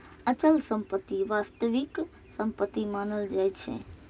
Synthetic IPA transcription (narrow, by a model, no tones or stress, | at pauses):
ət͡ʃəlsə̃mpət̪ːiʋast̪əʋik | sə̃mpət̪ːimanəld͡ʒajt͡ʃʰḛ